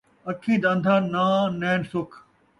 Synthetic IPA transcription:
ɐkʰĩːd̪ãːnd̪ʱaːnaːnɛːnsʊkʰ

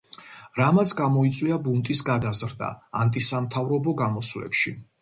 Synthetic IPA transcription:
ɾamat̪sʰɡamɔit̪sʼwiabunt̪ʼisɡad̪azɾd̪a̰ːnt̪ʼisamt̪ʰavɾɔbɔɡamɔslɛ̰pʃi

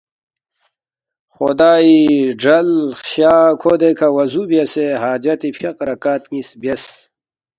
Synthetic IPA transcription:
xod̪aːiɖɐlxaːkʰod̪ekʰawɐzubjɐseɦaːd͡ʑɐt̪ipʰjɐqɾɐkaːt̪ŋisbjes

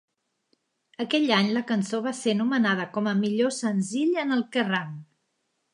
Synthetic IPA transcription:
əkɛʎaɲləkənsoβ̞asenumənað̞əkɔməmiʎosənziʎənəlˠkəraŋ

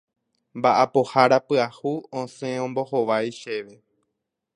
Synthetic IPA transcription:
mbaʔapo̞haɾapɨahuõsẽõmbo̞hoʋajʃe̞ʋe̞

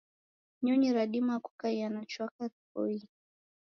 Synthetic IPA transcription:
ɲɔɲiɾaɗimaku̥kajanat͡ʃwakatkɔ̰i

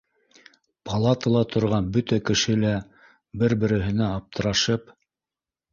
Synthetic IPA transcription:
pʰɑlˠɑt̪əlˠɑt̪ʰŏɾʁɑnbɵt̪ækɘ̆ʃɘlæ | bɘɾbɘ̆ɾɘ̆ɦɘ̆næɑp̚t̪ʰɤ̆ɾɑʃɤp

